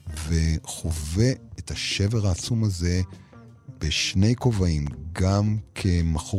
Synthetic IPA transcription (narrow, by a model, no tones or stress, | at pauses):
ve̞χove̞ethaʃe̞ve̞ʁaːt͡sumaze̞ | b̥eʃne̞jko̞vaimɡamkʰe̞maχo